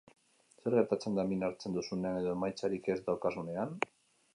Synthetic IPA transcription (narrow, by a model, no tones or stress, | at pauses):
se̞ɾɣe̞ɾt̪at͡se̞nd̪aminaɾt͡se̞nd̪usune̞ane̞ð̞o̞e̞majt͡saɾike̞zd̪awkasune̞an